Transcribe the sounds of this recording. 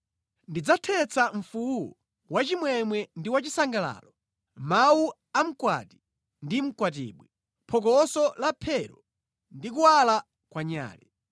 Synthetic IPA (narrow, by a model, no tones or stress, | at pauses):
ndid͡zatʰɛt͡sʰaɱ̩fuɔ | wat͡ʃimwɛmwɛndiwat͡ʃisaŋɡala̰ːlɔ | mawu | am̩kwa̰ti̥ | ndim̩kwat̬ḭːɓwi | pʰɔkɔsɔlapʰɛɾɔ | ndik̬uwala | kwaɲa̰ːlɛ